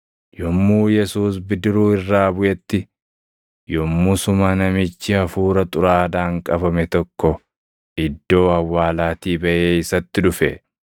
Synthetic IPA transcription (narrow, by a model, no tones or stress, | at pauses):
jɔmːuːjɛsuːs̬bɪd̪ɪɾuːɪrːaːbʊʔɛt̪ːɪ | jɔmːusʊmɐnɐmɪt͡ʃːɪɐfuːɾɐt̪ʼʊɾaːd̪aːŋkʼɐbɐmɛt̪ɔkːɔ | ɪd̪ːo̞ːɐwːaːlaːt̪iːbɐʔe̞ːɪsɐt̪ːɪᶑʊfɛ̰